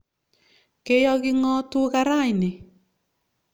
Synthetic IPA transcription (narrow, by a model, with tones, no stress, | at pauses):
ke˦jɔ˦ɣɪ˦ŋɔ˦tu˦ɣa˦ɾa˦˨ɪ˨nɪ˨